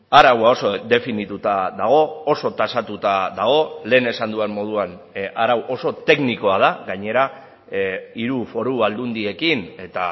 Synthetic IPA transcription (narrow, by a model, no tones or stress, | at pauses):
aɾawao̞sod̪e̞finit̪ut̪aðaɣ̞o̞ːso̞t̪asat̪ut̪aðaɣ̞o̞le̞ːne̞sand̪uemmo̞ð̞uanaɾawʔo̞so̞t̪e̞kniko̞að̞aɡaɲe̞ɾa | iɾufo̞ɾuβald̪und̪ie̞kine̞t̪a